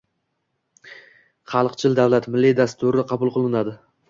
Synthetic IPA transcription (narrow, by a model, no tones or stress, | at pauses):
χɑlˠqt͡ʃʰɪld̪avlat̪mɪlːid̪ast̪ʊɾɪqʰɑbʊlˠqʰɨlˠɪnad̪ɪ